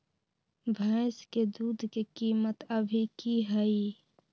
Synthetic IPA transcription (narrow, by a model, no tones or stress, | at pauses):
bʱaɪsked̪uːd̪ʱkekiːmət̪əbʱikiɦəi